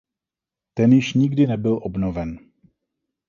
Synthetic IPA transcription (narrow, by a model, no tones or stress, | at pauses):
t̪ɛnjɪʃɲɪɡdɪnɛbɪlʔobnovɛn